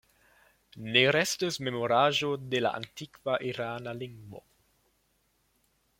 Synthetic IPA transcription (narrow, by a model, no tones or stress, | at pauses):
neɾɛst̪esmemoɾaːʒod̪ela̰ʔa̰nt̪ikvaʔiɾaːnaliŋɡmo̰